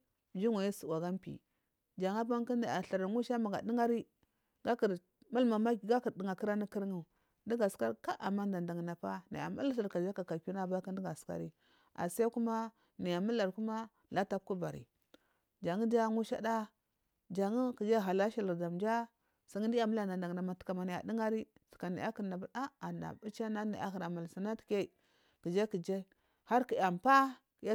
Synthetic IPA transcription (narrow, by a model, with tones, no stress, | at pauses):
d͡ʒi˦ŋa˨je˦su˨wa˨ɡa˦mpḭ˨ | d͡ʒa˨ŋa˦p̬a˦ŋ˦ki˦na˨a˨ɬa˨ɾa˨˦u˦ʃa˦ma˨ɡa˨di˦ŋa˦ɾi˦ | ɡa˦ki˨ɾ | ma˦lma˨ma˦˨˦ɡa˦ki˨ɾdi˨ŋa˨ki˦ɾa˦ni˦ki˦ɾŋu˦˨ | ndi˦ɡa˨ska˦ɾi˦ka˦ʔa̰˨ma˦n˦da˨nda˨ŋ˨na˨pa˦na̰˨ja̰˨ma˦la˦sa˨ɾka˨d͡ʒa˦ka˨ka˨ku˦na˦˨ba˦ka˦n˦di˦ɡa˨ska̰˦ɾi˦ | a̰˨sa˦ku˦ma˦ | na˨ja˨ma˦la˨ɾku˦ma˦ | la˦ta˦ku˦ba˨ɾḭ˨ | d͡ʒa˨ŋi˦d͡ʒa˦ŋu˦ʃa̰˦da˦ | d͡ʒa˨ŋi˦ki˨d͡ʒa˦ɦa˨la˦ʃi˦lə˨ɾda˨md͡ʒa˦ | sa˨ŋi˦n˦di˦a˨mu˦la˨n˨da˨nda˨ŋ˨na˨ma˨tka˨ma˨ni˨ja̰˨di˦ŋa˦ɾi˦ska˨na̰˨ja˦ki˨na˨ba˦a˦a˨na̰˨bu˦t͡ʃa˦na˦ni˨ʔa̰˦hi˨ɾa˨ma˨lsa˨na˦ti̥˨ke˦˨ | ki˨d͡ʒa˦ki˨d͡ʒe˦ | ha˦ɾki˨ja˨mpa˦˨ | ja˦